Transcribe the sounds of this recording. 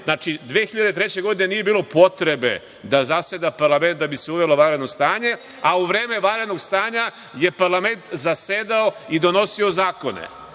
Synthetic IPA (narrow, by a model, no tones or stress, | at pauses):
znaːt͡ʃid̪ʋeːxiʎad̪et̪ɾet͡ɕe̞ɡo̞d̪inenijebiːlˠo̞po̞t̪ɾe̞be̞̰ | d̪azased̪apaɾlame̞nt̪̚d̪abiseuʋeloʋaːɾed̪no̞st̪aːɲe̞ | auʋɾeːme̞ʋaɾed̪no̞ɡst̪aːɲa | je̞paɾlˠame̞nt̪zased̪aoid̪o̞no̞siozaːko̞nḛ